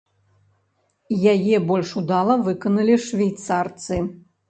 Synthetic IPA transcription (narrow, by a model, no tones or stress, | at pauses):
jajɛbɔlʲʂud̪alˠɐvɨkɐnɐlʲiʂvʲijt̪sart̪sɨ